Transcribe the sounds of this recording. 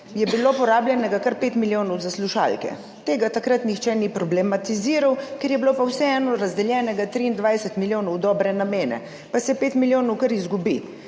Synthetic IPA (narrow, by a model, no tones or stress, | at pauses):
jɛbilopɔɾaːbljɛnɛɡakɐɾpeːt̪miljoːnɔwzasluʃa̰ːlkɛ̰ | t̪eːɡat̪akɾat̪nixt͡ʃɛnipɾɔblɛmat̪iziːɾawkeɾjɛbilopawsɛɛːnɔɾazd̪ɛljɛːnɛɡat̪ɾiːnd̪ʋajsɛt̪miljoːnɔwd̪ɔːbɾɛnameːnɛ̰ | pasɛpeːt̪miljoːnɔwkəɾizɡubi